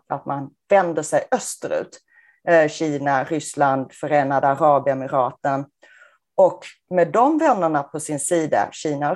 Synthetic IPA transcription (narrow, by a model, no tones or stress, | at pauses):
at̪manvɛnd̪əʂɛjœst̪əɾʉ̟̰ːt̪ | ɕiːnaɾʏsland̪fœɾeːnad̪əaɾɑːbɪɛmɪɾɑːt̪ən | ɔkmɛːd̪ːɔmvɛnːəɳapʰɔsɪnsiːd̪a̰ɕiːna